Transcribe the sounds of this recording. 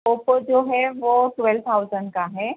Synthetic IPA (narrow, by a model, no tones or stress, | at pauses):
opəd͡ʑoɦɛʋoʈʋɛlt̪ʰawzəɳɖkaɦɛ